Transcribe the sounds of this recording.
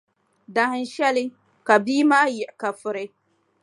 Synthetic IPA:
da˨hn˦ʃɛ˦lɪ˦ | ka˨biː˦maː˦jɪ˨ʔɪ˨ka˨fʊ˨ɾɪ˦

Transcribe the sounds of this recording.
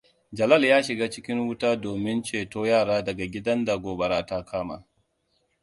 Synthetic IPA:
d͡ʒɐ˨lɐ˦˨ljaː˦ʃɪ˨ɡaː˦t͡ʃɪ˦kʲɪ˦ŋwʊ˦taː˦doː˨mɪ˦nt͡ʃeː˨toː˦jaː˦˨ɽaː˦dɐ˨ɡa˨ɡʲɪ˦dɐ˦nda˨ɡoː˨bɐ˨ɾaː˦ta˦kʰaː˦ma̰˨

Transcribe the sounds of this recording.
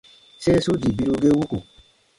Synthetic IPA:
se˦so˦d͡ʒi˨bi˧ɾu˧ɡe˦wu˦ko̰˨

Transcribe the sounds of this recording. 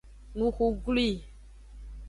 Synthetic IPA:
nũ˨xu˨ɡli˦˨

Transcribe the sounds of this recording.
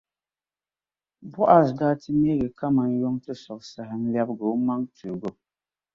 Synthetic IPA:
bɔ˦ʔa˨sdaː˦tɨ˦me˦ɡɛ˨ka˦ma˨njo˦ŋtɨ˦sɔ˨ksa˨ɦɪ˦n̩˦lɛ˦bɡo˨˦ma˦ŋtu˨ɡo˦

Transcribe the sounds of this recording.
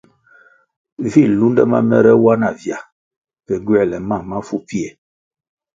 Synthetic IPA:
vi˦˨lu˦ndɛ̰˦ma̰˦mɛ̰˦ɾɛ˦wa˦na˨vja˨ | pɛ˨ɡɥɛ˦˨lɛ˨ma˦˨ma˦fu˦pi˦ɛ˨

